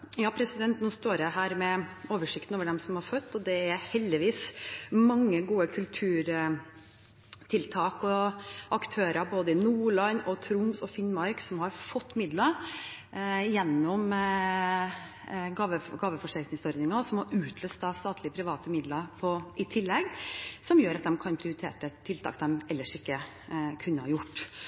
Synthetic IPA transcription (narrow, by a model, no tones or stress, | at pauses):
jɑːpʰɾɛsɪd̪ɛnt̪nuːst̪oːɾəɦæːɾmɛoːʋəʂɪkt̪n̩oːʋəɖɛmsɔmhɑɾfœt̪ːɔd̪ɛæɾhɛld̪ɪʋiːsmɑŋːəɡuːəkʰʉlt̪ʰʉːɾ | t̪ʰɪlt̪ʰɑːkɔʔɑkt̪ʰøːɾəɾboːd̪əɪnuːɭɑnːɔt̪ʰɾʊmsɔfɪnːmɑɾksɔmhɑɾfɔt̪ːmɪd̪lə | jɛnːɔm | ɡɑːʋəɡɑːʋəfɔʂæɾknɪŋsɔɾd̪ɪŋɑsɔmhɑɾʉːt̪ʰløːst̪d̪ɑst̪ɑːt̪ʰlɪəpʰɾɪʋɑːt̪əmɪd̪ləpʰɔʔɪt̪ʰɪlːɛɡsɔmjøːɾɑt̪̚d̪ɛmkʰɑnpʰɾɪʊɾɪt̪ʰeːʈət̪ʰɪlt̪ʰɑ̰ːk̚d̪ɛmɛlːəʂɪkːə | kʰʉnːəhɑ̰ɾjʊʈː